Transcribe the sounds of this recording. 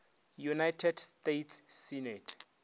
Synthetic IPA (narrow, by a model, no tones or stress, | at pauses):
junajtʰɛdstetʰsːinɛtʰ